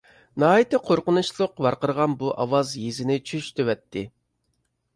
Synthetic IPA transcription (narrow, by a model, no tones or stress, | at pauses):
nɑːit̪ɨqʰoɾqənuʃlˠʊqbɑɾqəɾʁɑnbuʔɑwɑzjezɪnɪt͡ʃʰyʃt̪ʰøwɛt̪ʰːɪ